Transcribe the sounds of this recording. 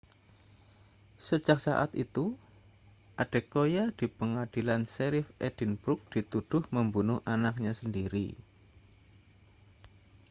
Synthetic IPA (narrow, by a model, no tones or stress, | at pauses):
sə̥d͡ʒak̚sa̰ʔat̪ḭt̪u | ʔad̥e̤kojad̥i̤pəŋad̥ilanseɾɪfʔed̥inb̥ɾʊk̚d̥it̪ud̥ʊhməmbunʊhʔanak̚ɲasəndiɾḭ